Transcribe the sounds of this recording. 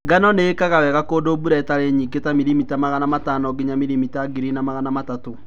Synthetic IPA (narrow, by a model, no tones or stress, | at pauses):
ŋɡanɔneːkaɣawɛɣakoːdobuɾaetaɾeɲiketamiɾimitamaɣanamatanɔɡeɲamiɾimitaɡiɾinamaɣanamatato